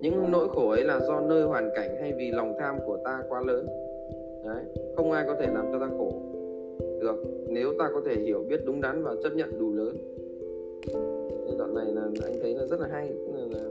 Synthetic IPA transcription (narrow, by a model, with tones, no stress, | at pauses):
ɲɨ̰˧˥ŋno̰˧˥jxo˧˩ʔə˨˦jlaː˨˩zɔ˧nəː˧jhwaː˨˩nka˧˩jŋ̟ha˧jvi˨˩la˨˩wŋ͡mt̪ʰaː˧mku˧˩ət̪aː˧kwaː˧ləː˨˦n | ʔə˨˦jxə˧wŋ͡mʔaː˧jkɔ˨˦t̪ʰe˧˩laː˨˩mt͡ɕɔ˧t̪aː˧xo˧˩ | ɗɨ˨˩ək̚ne˨˦wt̪aː˧kɔ˨˦t̪ʰe˧˩hi˧˩əwɓi˦˥ət̚ɗʊ˨˦ŋ͡mɗa˨˦nvaː˨˩t͡ɕə˦˥t̚ɲə̰˧˨nɗu˨˩ləː˨˦n | ə˧ɗɔ̰˧˨nːa˨˩jlaː˨˩ʔa̰˧jŋt̪ʰə˨˦nlaː˨˩zt̚laː˨ɦa˧jːlaː˨˩